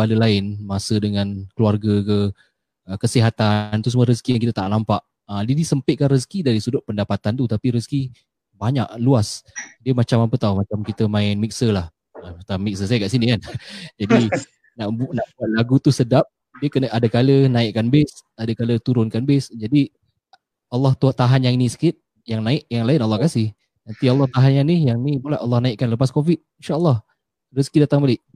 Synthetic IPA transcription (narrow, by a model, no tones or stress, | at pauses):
aləlaɪnmasədəŋãnkəluarɡəkə | əkəsiɦat̪ant̪us̬muəɾəskiaŋkit̪ət̪aʔlampaʔ | ədidisəmpɪt̪̚kanrəskidaɾisudʊt̪̚pəndapat̪ant̪ut̪apiɾəski | baɲa̰ʔluasdiəmat͡ʃamapət̪awmat͡ʃamkit̪əmãɪnmik̚səlah | ət̪amik̚səsajakaʔsinikand͡ʒadi | naʔbunaʔbukaʔ̚laɡut̪usədap̚ | diəkənəʔadəkalənãɪʔkanbɪsadəkalət̪uɾʊnkanbɪsd͡ʒadi | alːɑht̪ut̪aɦanjaŋinĩsə̥kɪt̪̚ | jaŋnaɪʔjaŋlaɪnalːɑhkasɪh | nant̪ialːɑht̪aɦanjaŋnijaŋnipolaʔalːɑhnaɪʔkanləpaskofit̪̚inʃaʔəlːɑh | riskidat̪aŋbalɪʔ